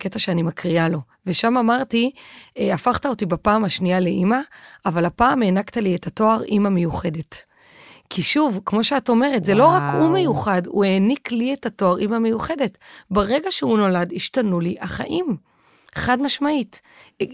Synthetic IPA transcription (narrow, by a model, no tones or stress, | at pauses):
ke̞taʃeanimakʁialo̞ | ve̞ʃamamaʁtiafaχtao̞tibapaːmaʃniale̞ʔimaːvalapaːme̞naktalietatoaʁimamejuχe̞de̞t | kʰiʃuvkmo̞ʃeato̞me̞ʁetzelo̞ʁakume̞juχadṵe̞ːniklietatoaʁimame̞juχe̞de̞tbeʁe̞ɡaʃeuno̞ladiʃtanuliʔaχa̰ʔim | χadmaʃmait